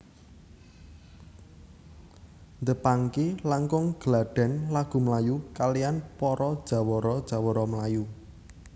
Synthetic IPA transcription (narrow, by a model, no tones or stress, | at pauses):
nd̪əpaŋkelaŋkʊŋɡ̥əlaɖ̥ɛ̤nlaɡ̥ṳməlajukalijanpɔɾɔd̥ʒ̥a̤wɔɾɔd̥ʒ̥ä̤wɔɾɔməlaju